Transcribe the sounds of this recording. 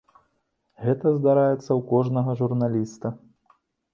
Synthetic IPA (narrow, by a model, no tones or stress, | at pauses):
ɣɛt̪ɐzd̪aɾajɛt̪sːɐwkɔʐnɐɣɐʐurnalʲist̪ɐ